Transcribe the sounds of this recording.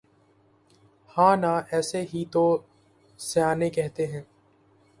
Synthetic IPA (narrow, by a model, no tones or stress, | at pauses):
hãːnaʔɛːseɦit̪o | sejaːnekɛɦt̪eɦɛ̃ː